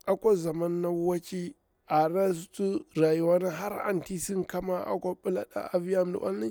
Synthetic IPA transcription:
a˨kʷo˦za˨ma˦nːa˦wa˦t͡ʃi˦ | a˨ɾa˦stu˦ɾa˨ju˨˦wa˦na˦ɦa˦ɾa̰˨nti˦si˦ŋka˦ma˦ʔa̰˨kʷa˦ɓu˦la̰˦ɗa̰˦a˨vi˦ja˦m˨da̰˨ʔa̰˦nː˦a˦

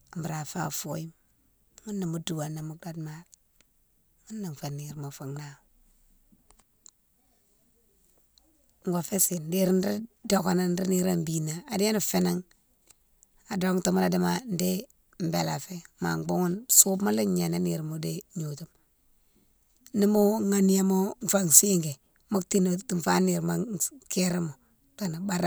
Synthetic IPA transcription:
m˨bu˨ɾa˨fa̰˦˨fo̰˦ji˦m | ŋu˦nːa˨mu˦du˨wa˨na˨mu˨da˦dma˦ɾ | ŋu˦nːa˨ɱ˨fa˨ni˨ɾmo˨fa˨ŋna˦˨ | ŋ˨ɡo˨fe˦si˨nde˦ɾi˦nɾi˦do˨ka˦na˦n˦ɾi˦ni˨ɾa˦m˨bi˦na˨a˨di˦a˦nu˨fe˦na˦ŋ | a˨do˨˦kto˦mu˦la˨di˦ma˨n˦de˦ | m˨be˨la˨fe˦ma̰˨ɡ͡bo˦ŋu˦nsu˦bma˦li˦ɲa˨na˦ni˨ɾmo˨de˦ɲo˨tu˦m | ni˦mo˦ŋa˨ni˦ja˦mo˦n˨fa˦ŋ˨si˦ŋɡe˨ | mo˦kti˦n˨ti˨fa˦ni˨ɾma˨ke˦ɾe˦mo˨ | ka˨na˨ba˦ɾ

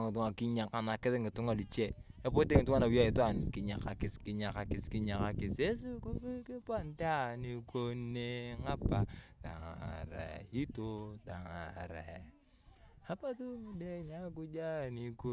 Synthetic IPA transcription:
ŋɪ˨tu˦ŋa˨ki˦ɲa˨ka˨na˨kɪ˦ɪ˦ŋɪ˨tʊ˦ŋa˨li˨t͡ʃe˦e˦po˦te˦ŋɪ˨tu˦ŋa˦na˨wja˦i˨twa˦˨nkɪ˨ɲa˨ka˨kɪ˨skɪ˨ɲa˨ka˨kɪ˨skɪ˦ɲa˨ka˨kɪ˨se˦s̬u˦ku˦ki˦ki˦pa˦nta˦˨ni˨ko˦ne˦ŋa˦pa˦ta̰˨ŋ˨a̰˨ɾɛ̰˨i˦to˦ta˨ŋa̰˨ɾɛ̰˨ | a˦pa˦tu˦mu˨de˦ɲa˦k̬u˦d͡ʒa˦˨ni˨ko˦

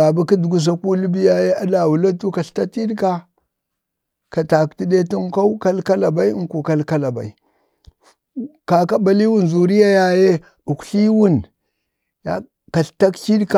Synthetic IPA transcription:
a˨ba˦ki˦du˨ɡu˦s̬a˦ku˦li˦bi˦ja˦je˦a˦da˨wu˨la˦tu˦ka˨ɬta˦ti˦dka˦ | ka˨ta˨kti˦de˦ti˦ŋka˦u˦ka˦lka˦la˨ba˦i˦ŋ˦ku˨ka˦lka˦la˨ba̰˨i˨ | ka˨ka˦ba˨li˦wu˦n˨zu˨ɾi˦ja˦ja˨je˦ | u˨kɬi˦wu˦n | ja̰˨ | ka˨ɬta˦kt͡ʃi˦dka˨

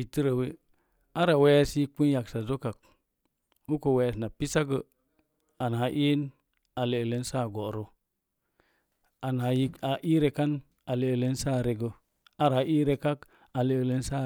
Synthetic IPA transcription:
i˨tə˦ɾa˨we˦ | a˦ɾa˨we˦sji˦k͡pu˦n˦ja˨ksa˨zo˦ka˨k̚ | wu˦ko˨we˨sna˨pi˦sa˦ɡə˦˨ | a˨na˨˦ʔe˦n | a˨le˨le˦n˦sa˦˨ɡo˨ɾo˨ | a˨na˨ji˦a˨ʔi˦ɾe˨ka˦n | a˨le˨le˦n˦sa˦˨ɾe˨ɡə˨ | a˦ɾa˨˦ʔi˦ɾe˨ka˦k | a˨le˨le˦n˦sa˦

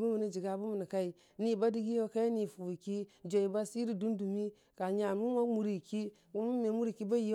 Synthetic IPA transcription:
mu˦mi˨ni˦d͡ʒi˨ɡa˨bu˦mi˨ni˨ka˦i˨ | ni˨ba˦di˦ɡi˦o˦ka˦ja˦ni˨fu˨i˨ki˦d͡ʒo˨i˨ba˦si˦ɾi˨du˦ndu˨mi˦ | ka˨ɲa˨mu˦ma˦mu˨ɾi˨ki˦ | u˦mu˦me˨˦mu˦ɾi˦˨ki˦ba˦ji˦

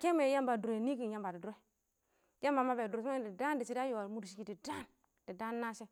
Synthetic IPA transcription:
ke˦me˨˦ja˦mba˨du˨ɾe˨ni˦ki˨nja˦mba˨di˨du˨ɾe˦ | ja˦mba˨ma˦be˨du˨ɾe˨sa˦˨di˨da˦n˦di˨si˦da˦jo˨wa˨mu˦dʃ̬i˨ki˦˨di˨da˦n | di˨da˦nːa˦se˦

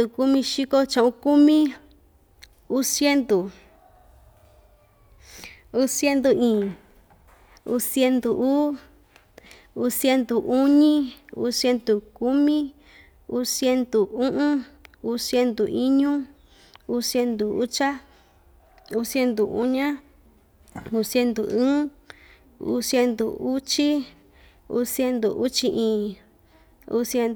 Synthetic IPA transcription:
u˧ku˦mĩ˧ʃi˦ko˦t͡ʃã˧ũ˧ku˦mĩ˦ | u˦sje˦nd̪u˨ | u˦sje˦nd̪u˧ĩː˨ | u˧sje˧nd̪u˨ʔuː˦ | u˧sje˧˦nd̪u˨ʔu˦ɲĩ˦ṵ˧˦sje˧nd̪u˨ku˦mĩ˦ | u˦sje˧nd̪u˨ũ˦ʔũ˦u˧˦sje˧nd̪u˨ʔi˦ɲũ˦ | u˦sje˧nd̪u˨u˦t͡ʃa˦ | u˦sje˧nd̪u˨ṵ˦ɲã˦ | u˧sje˧nd̪u˨ɨ̃ː˦ | ṵ˦sje˧nd̪ṵ˨u˦t͡ʃi˦ | ṵ˧˦sje˧nd̪u˨ʔu˦t͡ʃi˧ʔĩː˨˧ | ṵ˦sje˧n

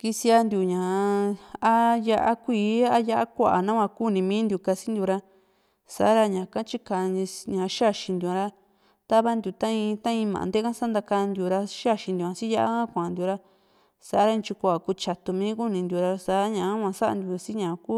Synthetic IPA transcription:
ki˧si˧a˧nd̪ʲju˧ɲã˨˧ | a˦ja˧ʔa˦kʷiː˧˦a˦ja˦ʔa˦kʷa˧ʔa˨nã˦kʷã˧ku˦˨nĩ˧mĩː˦nd̪ju˧˨ka˧si˦nd̪ju˧ɾa˧ | sa̰˨a˦ɾa˧ɲã˨kã˦t͡ʃi˦kã˧ɲã˨˦ʃa˦ʃĩ˧nd̪ju˨ã˧ɾa˧ | t̪a˦βa˦nd̪ju˨t̪ã˦ĩ˧t̪ã˦ĩ˧mã̰˨d̪e˦kã˦sa˦nd̪a˧ka˧nd̪ju˧ɾa˧ʃa˦˨ʃĩ˧nd̪u˨ã˧si˦ja˦ʔa̰˦kã˦kʷã˧˨nd̪ju˧ɾa˦ | sa˨ʔa˦ɾa˦˧nt͡ʃu˧kʷa˧˨a˨ku˧t͡ʃa˧t̪u˧mĩː˦ku˦nĩ˧nd̪ju˧ɾa˧sa˨˦ɲã˨˦kʷã˧sa˦a̰˧nd̪ju˧si˦ɲã˨˧ku˦

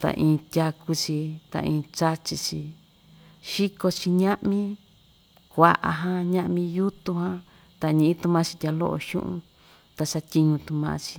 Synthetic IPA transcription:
t̪a̰˨ʔĩː˧tʲa˧ku˧t͡ʃi˧t̪a̰˧˨ʔĩː˧t͡ʃa˦t͡ʃi˧t͡ʃi˧ | ʃi˦ko˧t͡ʃi˧ɲã˦ʔmĩ˦ | kʷa˧ʔa̰˧ɦã˧ɲã˦˧ʔmĩ˧ju˦t̪u˧ɦã˦ | t̪a˨ɲĩ˧˨ĩ˦t̪u˧mã˧t͡ʃi˧tʲa˧lo̰˦ʔo̰˧ʃṵ̃˦ʔṵ̃˧ | t̪a˧sa˧t̪ʲi˧ɲũ˧t̪ũ˧mã̰˧t͡ʃi̥˧

